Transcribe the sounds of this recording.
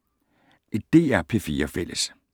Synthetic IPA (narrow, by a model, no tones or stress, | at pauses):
ed̥e̝̰ːæɐpʰe̝fiːɐfel̰əs